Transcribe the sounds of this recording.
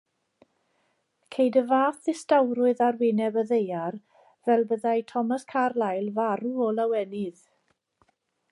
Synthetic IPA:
kʰejdəvaːθɪstawɾʊɨðarwɪnɛbəðejar | vɛlˠbəðajtʰɔmaskʰarlajlˠvaɾuɔlawɛnɪð̥

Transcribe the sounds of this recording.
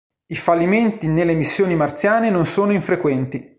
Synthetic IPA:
ifalːiment̪inelːemisːjoːnimart̪sjaːnenonsoːnoiɱfɾekwɛnt̪i

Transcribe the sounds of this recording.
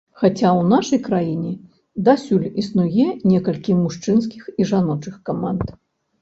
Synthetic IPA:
xat͡sʲawnaʂɐjkɾajinʲɛ | d̪asʲulʲisnujɛnʲɛkɐlʲkʲimuʂt͡ʂɨns̬kʲixiʐanɔt͡ʂɨxkamant̪

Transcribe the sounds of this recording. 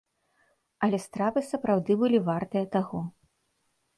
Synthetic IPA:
ɐlʲɛst̪ɾapɨsɐpɾawd̪ɨbɨlʲivart̪ɨjɐt̪aɣɔ

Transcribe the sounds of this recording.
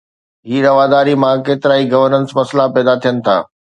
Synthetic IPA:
ɦiːɾɐʋaːd̪aːɾimãkeːt̪ɪɾaːiɡɐʋəɾnə̃nsmɐslapɛːd̪at̪ʰijənɪ̆t̪ʰa̰ː

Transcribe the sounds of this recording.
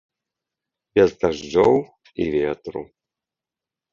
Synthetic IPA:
b̥ʲɛzd̪aʐd͡ʒɔw | ḭvʲet̪ɾṵ

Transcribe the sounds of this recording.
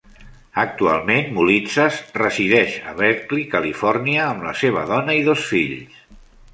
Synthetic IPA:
ək̚t̪ua̰lˠmenmulit͡səsrəziðɛʃə̰βɛɾklikəlifɔrniəːmlə̰seβ̞ə̰ðɔnəiðosfiʎs

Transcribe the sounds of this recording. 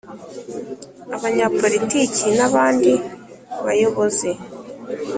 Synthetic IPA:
aβaɲapo̞ɾiticinaβaːndi | βajo̞βo̞ze̞

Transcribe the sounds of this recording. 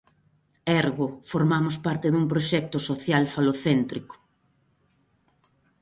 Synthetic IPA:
ɛɾɣʊfoɾmamʊspaɾt̪eðuŋpɾoʃɛk̚t̪ʊsoθjalfaloθɛnt̪ɾikʊ̥

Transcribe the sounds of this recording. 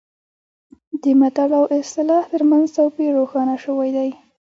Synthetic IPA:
d̪əmat̪alawʔɪst̪ɪlɑht̪əɾmanzt̪awpiɾoxɑnaʃəwajd̪aj

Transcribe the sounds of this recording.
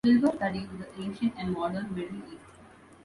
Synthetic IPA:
sɪlʋəɾsʈɐɖizd̪əʔẽːnʃə̃ɳʈæ̃ɳɖmɔːɖəɾnʋeɖiʔeʈ

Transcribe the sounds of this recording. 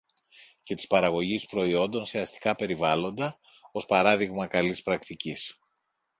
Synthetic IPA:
ce̞t̪i̥spɐɾɐɣo̞ʝispɾo̞io̞nd̪o̞nseɐst̪i̥kɐpe̞ɾivɐlo̞nd̪ɐ | o̞spɐɾɐðiɣmɐkɐlispɾɐkt̪icis

